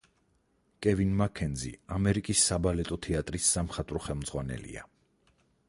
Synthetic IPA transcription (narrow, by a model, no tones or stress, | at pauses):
kʼɛvinmakʰɛnd̪zḭamɛɾikʼisːabalɛt̪ʼɔt̪ʰɛat̪ʼɾisːamχat̪ʼɾɔχɛlˠmd̪zʁwanɛ̰lḭa̰